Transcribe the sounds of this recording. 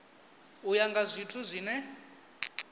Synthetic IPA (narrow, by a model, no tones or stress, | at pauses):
ujaŋɡazʷitʰuzʷiːnɛ